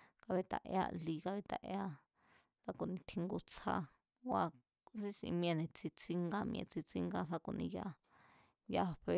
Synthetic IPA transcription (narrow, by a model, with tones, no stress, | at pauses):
ka˧βe˧t̪a̰˨ʔḛ˧a̰˧li˧ka˧βe˧t̪a̰˨ʔe˧a˦ | sa˦ku˧˨nĩ˧t̪ʰi˧ŋɡu˧t͡sʰa̰˧˦ | wa˧ | t͡sĩ˦sḭ̃˧mĩ˧ẽ˧nẽ˨t͡si˧t͡si˦ŋɡa˦mĩ˧ḛ̃˧t͡si˧t͡si˦˧ŋɡa˧sa˧ku˧nĩ˧ja˧˦ | ja˧ɸe˧